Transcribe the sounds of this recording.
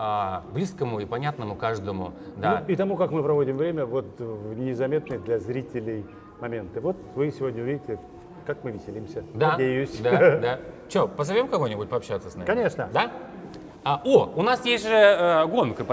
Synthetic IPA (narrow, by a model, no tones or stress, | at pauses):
ablʲiskəmʊipɐnʲat̪nəmʊkaʐd̪əmʊ̰d̪ait̪ɐmukakmɨpɾɐvo̞dʲɪmvɾʲemʲəvo̞t̪vnʲɪzɐmʲe̞t̪nɨjd̪lʲɐzɾʲitʲɪlʲɪj | mɐmʲe̞nt̪ɨvo̞t̪̚vɨsʲɪvo̞dʲnʲəʊvʲidʲɪtʲɪlʲ | kakmɨvʲɪsʲɪlʲimsʲəd̪adʲejʊʊsʲd̪ad̪at͡ɕopəzɐvʲomkɐvojnʲɪbʊt̚ʲpɐpɕːat̪səsʲna̰mɐnʲeʂnəɪd̪a | aoʊnasjesʲt̪ʲʐɨəɡo̞nkəp